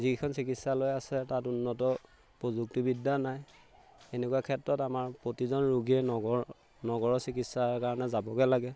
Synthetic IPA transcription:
zikʰɔnsikitsalojasɛtatunːɔtɔ | pɹozuk̚tibidːanaj | enɛkuwakʰɛtɹɔtamaɹpɹotizɔnɹuɡiɛɔɡɔ | nɔɡɔɹɔsikitsaɹkaɹɔnɛzabɔkɛlaɡɛ

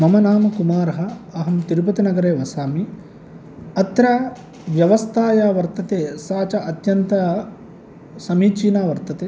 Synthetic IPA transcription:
mɐmɐnaːmɐkumaːɾɐɦɐɐɦɐmt̪iɾup̬ɐt̪inɐɡɐɾeːʋɐsaːmi | ɐt̪ɾa | ʋjɐʋɐst̪ʰaːjaːʋɐɾt̪ɐt̪eːsaːt͡ʃɐʔɐt̪jɐnt̪ɐ | sɐmiːt͡ʃiːnaːʋɐɾt̪ɐt̪eː

